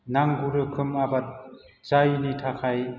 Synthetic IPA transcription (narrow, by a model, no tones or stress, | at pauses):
naŋɡuɾɯkʰɯmabat̚ | t͡ʃajnitʰakʰaj